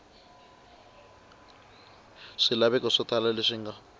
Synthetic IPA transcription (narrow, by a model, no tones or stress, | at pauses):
ʂɪlaβɛkʼɔʂɔt̪ʰʼalalɪʂiŋ̩ːɡa